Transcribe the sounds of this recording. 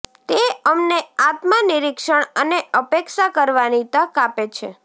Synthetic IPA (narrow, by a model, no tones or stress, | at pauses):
t̪eəmneat̪maniɾikʃəɳəneəpekʃakəɾʋanit̪ə̃kapet͡ʃʰe